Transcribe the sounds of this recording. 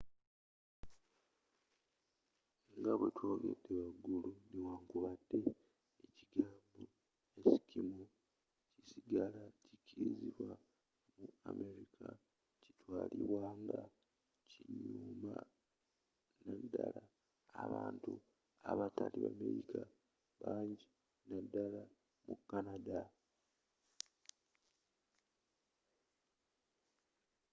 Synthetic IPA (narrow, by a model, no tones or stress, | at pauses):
ŋɡaβwetwo̞ːɡe̞dːe̞βaɡːuluniwaːŋkuβadːe̞ː | ciɡaːmbo | esi̥kimu | cisiɡalacicʰiɾiziβwa | muame̞ɾikʰa | ci̥twaːliβwaːŋɡa | ciɲuːma | nadːalaː | βaːntu | aβataliβamḛɾika | βaːɲɟi | nadːala | mukːanada